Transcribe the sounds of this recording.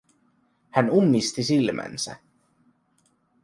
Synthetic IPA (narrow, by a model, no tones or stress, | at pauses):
hænumːist̪isilmʔæ̰nsæ̰